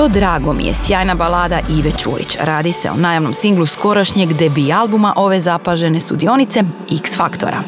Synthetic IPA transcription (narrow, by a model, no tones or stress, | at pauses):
t̪od̪ɾaːɡo̞mḭjḛsjaːjnabalaːd̪aʔiʋet͡ʃṵːjḭt͡ɕɾaːd̪ise̞̰o̰naːjaʋno̞̰msiŋɡlˠusko̞ɾaʃɲeɡd̪ebialˠbumaʔo̞ʋe̞zapaʒe̞ne̞sud̪io̞nit̪se̞iksfakt̪o̞̰ɾa̰